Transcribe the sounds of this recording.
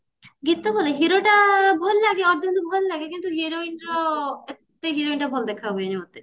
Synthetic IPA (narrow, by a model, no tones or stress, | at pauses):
ɡit̪ːobʱoleɦiɾoʈabʱɔllaɡeɔɾd̪ɔnt̪ɔbʱɔllaɡekint̪uɦiɾoinɾɔe | t̪ːeɦiɾoinʈabʱɔld̪ekʰaboenimɔt̪e